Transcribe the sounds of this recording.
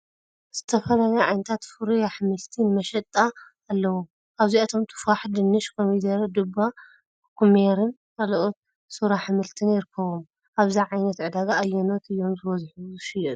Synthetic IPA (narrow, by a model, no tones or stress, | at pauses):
z̥ɨt̪ʰɐfɐlalɐjʕa̰jnɐt̪ʰat̪fɨɾujaħɨmɨlt̪ʰɨnmɐʃɐt̪ʼːaː | lːɐwo | ʔaβziat̪ʰomt̪ʰɨ̥faħd̪ɨnːɨʃkʰomid̪ɐɾɐd̪ɨba | kʰumeɾɨn | kʰaloʔot̪̚ | suɾaħɨmɨlt̪ʰɨnjɪɾɨkʰːɐβom | ʔaβziʕajnɐt̪ʕɨd̪aɡaːjːɛnot̪ɨjːo̞mzɨwɐzħuzɨʃɨjɐt̪